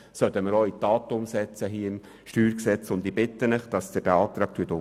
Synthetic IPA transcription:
sœt̪əməɾoːitɑːt̪əʊmsɛt͡səɦiːɪm | ʃtyːɾksɛt͡sʊndibɪt̪ːənɪχd̥ɑsd̥ɛɾb̥eɑːt̪ɾɑːk̚tʰyːətʊ

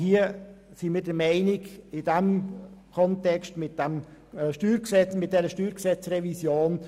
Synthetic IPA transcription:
hiːəsimiːɾdəɾmɛɪnɪɡɪdɛmkʰɔntɛkstmɪt̚d̥ɛmʃtyːɾksɛt͡smɪt̚d̥ɛɾəʃtyːɾksɛt͡srɛvisjoːn

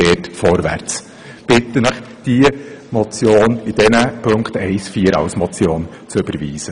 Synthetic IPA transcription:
ɛːtfɔɾvæ̰ɾt͡s | b̥ɪt̪ːənəχ | d̥iəmɔt͡sjoːnid̥ɛnəpʰɵŋkχt̪ɛɪsfiːəɾɑ̰wsmɔt͡sjoːn | t͡søb̥əɾviːsə

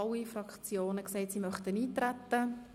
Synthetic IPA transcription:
ɑlːifɾɑkt͡sjoːnəkseɪt̪simœχt̪əniːt̪ɾæt̪ːə

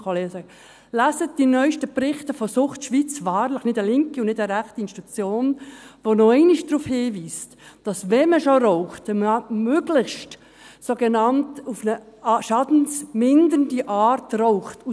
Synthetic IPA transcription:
koleːsə | læsət̚d̥inœʏʃtəprɪχtəfɔsʊχtʃʋit͡svɑːɾlɪχnɪdəlɪŋkiʊnnɪdəɾæχtiɪnstut͡sjoːnʋonoɛɪnɪʃd̥ɾuːfhiːviːstd̥ɑsvɛməʃoɾɔʊχtməmøːɡ̥lɪχʃt | soɡenɑntufnəʃɑdn̩smɪndəndiʔɑːɾtrɔʊχtu

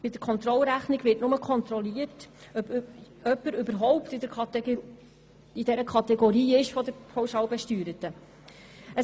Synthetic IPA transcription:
b̥ɪd̥̪əɾkʰɔnt̪ɾɔlɾæχniɡʋɪtnʊməkχɔnt̪ɾɔliːəɾt | œpːəɾʉbəɾɦɔwptɪd̪əɾ | ɪd̥ɛɾəkʰɑtɛɡoɾiːɪʃfɔd̪əɾpʰoʊʃɑːwbɛʃtyːɾətə | ə

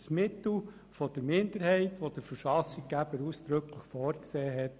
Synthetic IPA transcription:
smɪt̪l̩ | fɔd̥əɾmɪnd̪əɾhɛɪt̪ʋɔd̥̪əɾfəɾʃɑsikɡæb̥əɾusd̥̪ɾɵkʰləχfɔːɾkseːɦɛt

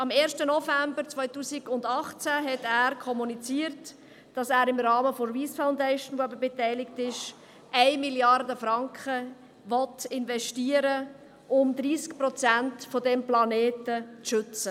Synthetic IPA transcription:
ɑmeːɾʃtənɔfæmbəɾt͡svœʏtuːsiɡʊndɑχt͡sæɦɛtæːɾkʰɔmunit͡siːəɾt | d̥ɑsæːɾɪmɾɑːməfoɾviːsfaʊndɛɪʃənʋoɛpəbɛtɛɪlɪktɪʃ | ʔæɪmiljɑrdəfɾɑŋkχə | ʋɔtɪnvɛʃtiːəɾə | ʔʊmd̪ɾiːskprɔt͡sæntfɔdɛmplɑneːtət͡sʃʏt͡sə

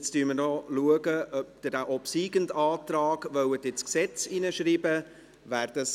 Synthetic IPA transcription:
t͡styːɾməɾnɔluəɡəʔœp̚d̪̥ədæʔɔpsiːɡəndɑːtɾaːɡ̥vœwətɪt͡sksɛt͡sinəʃɾiːbə | væːɾd̥əs

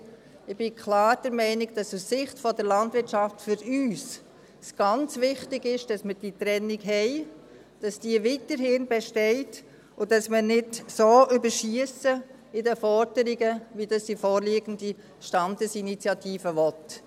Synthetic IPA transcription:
ɪb̥ɪkʰlɑːɾd̥əɾmɛɪnɪɡd̥ɑsussɪχtfɔdəɾlɑndʋɪɾtʃɑftfʏɾyːs | sɡ̥ɑnt͡sʋɪχtɪɡɪʃd̥ɑsməd̥itɾɛnːiɡɦɛɪ | d̥ɑsd̥iəʋiːtəɾhɪnbɛʃtɛɪt | ʊdɑsmənɪdsoːʔʏbəɾʃiəsə | ɪdəfɔɾd̥əɾiɡəʋidɑsd̥ifɔːɾliːɡəndi | ʃtɑndəsinit͡sjɑtʰiːfəʋɔt

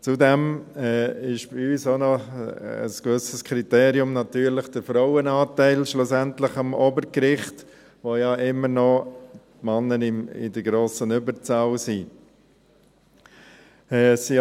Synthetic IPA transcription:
t͡sudɛmɛːɪʃb̥iyːsonɔ | ə̰skʋʏsəskʰɾiteːɾiʊmnɑtyːɾlɪχd̥əɾfɾaʊənɑːtæɪlʃlʊsɛntlɪχɑmɔbəɾkɾɪχt | ʋojɑʔɪmːəɾnɔtmɑnːənɪmɪ̰dəɡɾoːsənʏbəɾt͡sɑwsi | ɛːsi

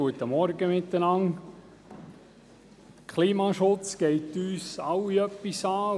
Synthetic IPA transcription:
uət̪əmɔɾɡəmɪt̪ːənɑŋ | kʰliːmɑːʃʊt͡skɛɪt̪ːyːsɑwiœpːisɑː

